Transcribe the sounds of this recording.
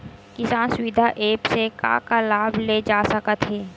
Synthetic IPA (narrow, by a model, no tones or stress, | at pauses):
kɪsãːnswɪd̪ʱaʔeːpseka̰ːkalaːbʱleːd͡ʒaːsəkət̪ɦɛː